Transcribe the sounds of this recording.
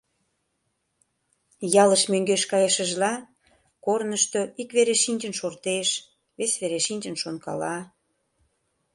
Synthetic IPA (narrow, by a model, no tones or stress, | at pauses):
jɑləʃmøŋɡeʃkɑjəʃəʒlɑ | kornəʃt̪oikβeɾeʃinʲt͡ʃənʃort̪eʃ | βesβeɾeʃinʲt͡ʃə̆nʃonkɑ̰lɑ